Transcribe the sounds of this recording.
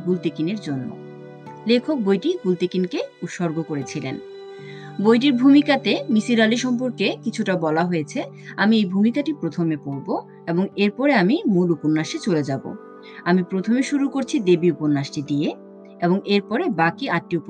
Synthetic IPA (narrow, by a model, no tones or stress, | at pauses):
ɡult̪ikineɾd͡ʑonːo̰ | lekʰok̚bojʈiɡult̪ikinkeut̪ʃoɾɡokoɾet͡ɕʰilḛn | bojʈ̬iɾbʱumikat̪emisiɾaliʃɔmpoɾkekit͡ɕʰuʈabɔlaɦojet͡ɕʰe | amiejbʱumikaʈipɾot̪ʰomepoɾbo | eboŋeɾpɔɾeamimuluponːaʃet͡ɕoled͡ʑabo̰ | amipɾot̪ʰomeʃuɾukoɾt͡ɕʰid̪ebiuponːaʃʈid̪ie | eboŋeɾpɔɾebakiaʈːiup